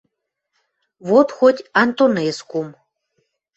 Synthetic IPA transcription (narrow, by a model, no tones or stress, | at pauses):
βot̪xotʲant̪oneskum